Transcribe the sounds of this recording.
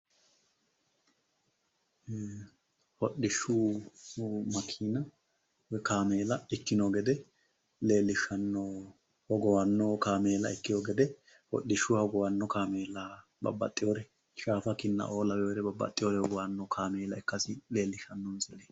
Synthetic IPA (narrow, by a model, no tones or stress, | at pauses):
hɔɗɪʃu | mɐkʰːiːnɐ | wɛkaːmeːlɐɪkːɪnoɡɛd̪ɛ | le̞ːlːɪʃɐnːɔ | hɔɡɔwɐnːɔkaːmeːlɐ̰ɪkːɪjoːɡɛd̪ɛ | hɔ̰ɗːɪʃʊhɔɡɔwɐnːɔkaːmeːla | bɐ̰bːɐ̰t̪ʼːɪjoːɾɛ | ʃaːfɐkɪnːɐ̰ʔo̞ːlɐwɛjoɾɛbɐbːɐ̰t̪ʼːɪjoɾɛhɔɡɔwɐnːɔkʰaːmeːlɐɛkːɐsɪle̞ːlːɪʃɐnːɔnsɪlːe